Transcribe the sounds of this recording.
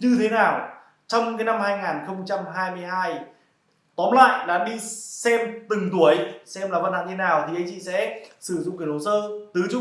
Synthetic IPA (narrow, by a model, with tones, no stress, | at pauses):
ɲɨ˧t̪ʰe˨˦naː˨˩w | t͡ɕɔ˧wŋ͡mkaː˨˦jna˧mhaː˧jŋaː˨˩nxə˧wŋ͡mt͡ɕa˧mɦaː˧jmɨ˧əjɦaː˧j | t̪ɔ˨˦nla̰ː˧˨jɗa̰ː˧˥ɗi˧sɛ˧mt̪ɨ˨˩ŋt̪u˨˩əjsɛ˧mlaː˨˩va˧na̰˧˨ŋɲ˧e˦naː˨˩wt̪ʰi˨˩ʔə˧jɲt͡ɕḭ˧˨sɛ̰˧˥sɨ˧˩zʊ̰˧˨ŋ͡mki˨˩nho˨˩səː˧t̪ɨ˨˦t͡ɕʊ˦˥